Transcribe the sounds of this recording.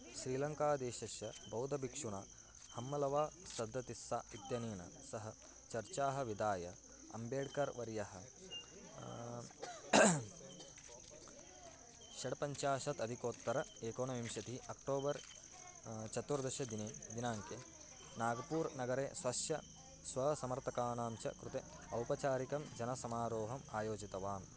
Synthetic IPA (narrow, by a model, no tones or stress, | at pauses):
ʃɾiːlɐŋkaːd̪eːʃɐʃjɐbɐwd̪ʱɐbʱikʂuɳɐ | hɐmːɐlɐʋaːsɐd̪ʱːɐt̪isːaːit̪jɐniːɳɐ̰sɐɦɐ | t͡ʃɐɾt͡ʃaːɦɐ̆ʋid̪aːjɐ | ɐ̰mbeːɖkɐɾʋɐɾjɐɦɐ | ʃɐɽɐpɐɲt͡ʃaːʃɐt̪ɐd̪ʱikoːt̪ːɐɾɐeːkoːnɐʋimʃɐt̪iɐk̚ʈoːbɐɾ | t͡ʃɐt̪ːuɾd̪ɐʃjɐd̪ineːd̪inaːŋke | naːɡɐpuːɾnɐɡɐɾeːsʋɐʃjɐ | sʋɐsɐmɐɾt̪ʰɐkaːnaːmt͡ʃɐ̰kɾut̪e | ɐwpɐt͡ʃaːɾikɐmd͡ʒɐnɐsɐmaːɾoːɦɐmaːjoːd͡ʒit̪ɐʋaːn